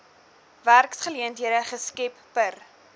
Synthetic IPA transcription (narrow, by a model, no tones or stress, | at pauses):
værksχəliəntɦiəɾəχəskɛpːər